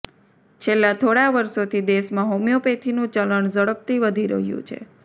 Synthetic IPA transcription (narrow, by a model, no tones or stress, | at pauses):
t͡ʃʰelːat̪ʰoɽaʋəɾsot̪ʰid̪eʃmãɦomjopet̪ʰinũt͡ʃələɳzəɽəp̚t̪iʋəd̪ʱiɾə̰ɦijṵ̃t͡ʃʰḛ